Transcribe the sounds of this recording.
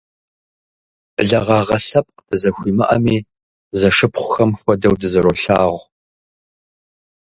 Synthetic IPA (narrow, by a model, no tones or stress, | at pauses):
ɮɐʁɑːʁɐɬɐp̚qd̥ɨzɐxʷiːmɨʔɐ̰miː | zɐʂɨpχʷʊxɐmxʷɔdɐwdɨzɐɾoɬaːʁʷ